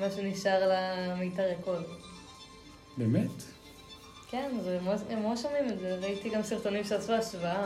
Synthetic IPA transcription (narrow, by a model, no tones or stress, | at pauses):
maʃuniʃaʁlamejtaʁekol | bemet | kenzemoemoʃomimezeveait̪iɡamsiʁt̪o̞nimʃeasuaʃvaa